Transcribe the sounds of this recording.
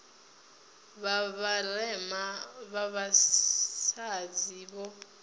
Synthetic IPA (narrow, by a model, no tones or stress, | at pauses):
βaβalɛmaβaβasad͡ziβɔ